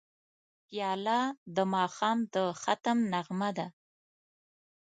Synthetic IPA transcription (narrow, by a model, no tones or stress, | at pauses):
pjɑlɑd̪əmɑxɑmd̪əxat̪əmnaɣmad̪a